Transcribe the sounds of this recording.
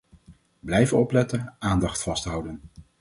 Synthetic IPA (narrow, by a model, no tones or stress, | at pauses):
blɛjvənɔplɛtənʔaːndɑχtfɑstɦʌwdən